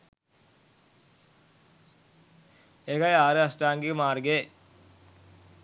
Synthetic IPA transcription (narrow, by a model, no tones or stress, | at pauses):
eɡɐjaːɾɯɐsʈaːŋɡikmaːɾɡeː